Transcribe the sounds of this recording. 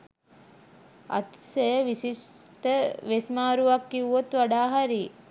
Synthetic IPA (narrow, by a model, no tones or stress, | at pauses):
a̰t̪sejəʋisisʈəʋesmaːɾuʋakːiʋuot̪ʋaɖaːɦaɾi